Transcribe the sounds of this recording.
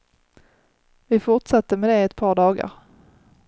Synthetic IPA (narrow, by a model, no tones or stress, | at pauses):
vɪfʊʈʂat̪ːəmɛd̪ɛɛt̪pʰɑːɖɑːɡa̰ɾ